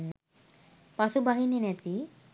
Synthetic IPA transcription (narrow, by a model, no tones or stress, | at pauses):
pasubaɦinenɛt̪i